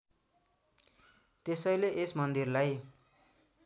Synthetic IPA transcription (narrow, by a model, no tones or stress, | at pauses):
t̪esʌjleʔesmʌnd̪irlaj